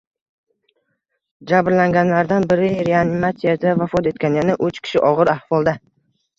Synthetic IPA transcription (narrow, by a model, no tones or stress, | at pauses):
d͡ʒabɾlaŋɡʲanlaɾd̪anbɪɾɪɾeanɪmat̪sijad̪avafɒt̪e̞t̪̚kʲanjanɪʔʊt͡ʃkʲʰɪ̥ʃɪʔɒʁɨɾahvɒlˠd̪a